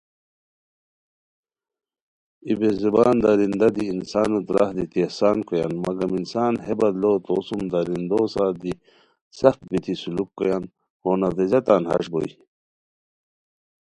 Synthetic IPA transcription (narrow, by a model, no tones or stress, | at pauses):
ibezibaːnd̪aɾind̪ad̪iːnsaːnut̪ɾa̰hd̪it̪ihsaːnkojanmɐɡɐminsaːnhebɐd̪loːt̪oːsumd̪aɾind̪osaːd̪i | sɐxt̪̚bit̪ʰisulukːojan | hoːnad̪ezɐt̪aːnhɐ̰ʂbo̰i